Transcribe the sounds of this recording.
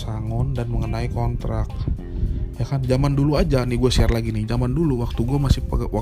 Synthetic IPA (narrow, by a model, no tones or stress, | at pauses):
saŋɔndanməŋənaikɔnt̪ɾak̚ | jakand͡ʒamanduluad͡ʒanɪɡuasiarlaɡinɪhd͡ʒamanduluwak̚t̪uɡuamasɪpɡwa